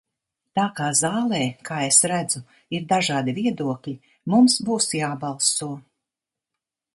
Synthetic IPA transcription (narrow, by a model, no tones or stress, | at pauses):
t̪aːkaːzaːlˠɛːkʰaːesɾæd̪zu | iɾd̪aʒaːd̪iviɛd̪uɔklʲi | mumsbuːsjaːbɑlˠsuɔ